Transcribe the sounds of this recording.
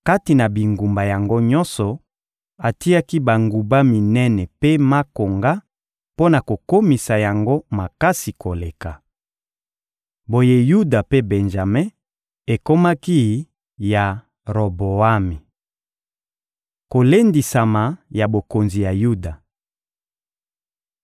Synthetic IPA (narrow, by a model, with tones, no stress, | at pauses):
ka˦ti˨na˨bi˨ŋɡu˨mba˨ja˨ŋɡo˦ɲɔ˦nsɔ˨ | a˨ti˦a˦ki˦ba˨ŋɡu˨ba˦mi˨nɛ˦nɛ˨pe˦ma˦ko˨ŋɡa˦ | po˦na˨ko˨ko˦mi˨sa˨ja˨ŋɡo˦ma˨ka˦si˨kʰo˨le˨ka˨ | bo˨je˦ju˦da˨pe˦bɛ˨nʒa˨me˦ | e˨ko˦ma˦ki˦ | ja˨ | ʁo˨bo˨a˦mi˨ | ko˨le˦ndi˨sa˨ma˨ja˨bo˨ko˨nzi˨ja˨ju˦da˨